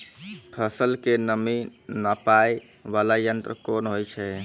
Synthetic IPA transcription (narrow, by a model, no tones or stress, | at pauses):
pʰəsəlkenəminəpaj | ʋalajənt̪ɾə̰konɦojt͡ʃʰɛ